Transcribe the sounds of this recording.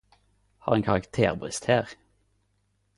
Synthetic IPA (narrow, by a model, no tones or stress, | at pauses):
hɑ̰ːʁeːnkʰɑʁɑkt̪ʰḛːʁbʁɪ̰st̪hæːʁ